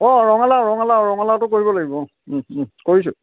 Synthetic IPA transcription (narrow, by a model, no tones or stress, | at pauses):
ɔɹɔŋalaɹɔŋalaɹɔŋalatʊkoɹibɔlaɡibɔ | koɹis̬ʊ̰